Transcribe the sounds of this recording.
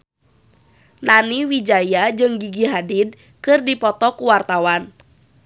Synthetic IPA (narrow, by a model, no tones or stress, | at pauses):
naniwid͡ʒajad͡ʒɨŋɡiɡiɦadid̚ | kɨrdipɔt̪ɔkuwart̪awan